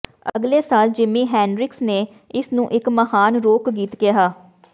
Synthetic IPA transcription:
əɡleːsaːld͡ʒɪmĩːɦɛ̃ːnɾɪksneː | ɪsnũːʔɪkməhaːnɾoːkɡiːt̪kɪjaɦaː

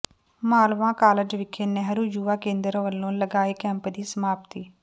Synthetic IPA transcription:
maːlʋãːkaːləd͡ʒʋɪkʰeːnɛɦɾuːd͡ʒuːaːkẽːnd̪əɾʋəlːõːləɡaːiːkɛ̃ːmpd̪iːsəmaːpt̪iː

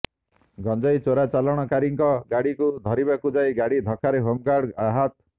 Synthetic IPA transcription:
ɡʱɔnd͡ʒɔjt͡ʃoɾat͡ʃalɔɽ̃ɔkaɾiŋkɔɡaɽikud̪ʱɔɾibakud͡ʒajɡaɽid̪ʱɔkʰaɾeɦomɡaɽaɦat̪

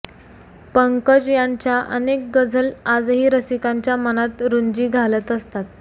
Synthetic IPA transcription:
pəŋkəd͡ʑjaɲt͡ɕjaʔənek̚ɡəd͡zʱəlad͡zɦiːɾəsikaɲt͡ɕjamənat̪ɾuɲd͡ʑiːɡʱalət̪əst̪at̪̚

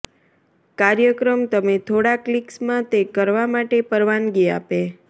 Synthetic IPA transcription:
kaɾjəkɾəmt̪əmet̪ʰoɽakliksmãt̪ekəɾʋamaʈepəɾʋanɡia̰pe

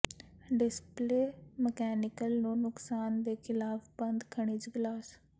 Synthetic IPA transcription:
ɖɪspleːməkɛːnɪkəlnũːnʊksaːnd̪eːkʰɪlaːpbənd̪kʰəɽ̃iːt͡ʃɡlaːs

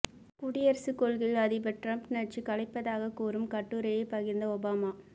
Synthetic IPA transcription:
pʊɽɪjɐɾsɯkːɔɭɣɪlɐðɪbɐʈrɐmpnɐt͡ʃikɐɭɐɪpːɐðaːɣɐkuːɾɯmkɐʈːuɾɐjɐɪpɐɣɪnd̪ɐɔbaːmaː

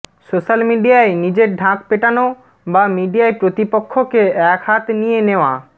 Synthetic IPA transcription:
soʃalmiɖijaenid͡ʑeɖʱãkpeʈano | bamiɖijaepɾot̪ipokʰːokeɛkɦat̪ʰnijeneoa̰

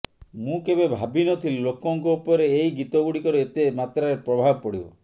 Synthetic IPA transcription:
mũkebebʱabinɔt̪ʰillokɔŋkɔupɔɾeːiɡit̪ɔɡuɽikɔɾeet̪emat̪ɾaɾepɾɔbʱabɔpɔɽḭbɔ̰

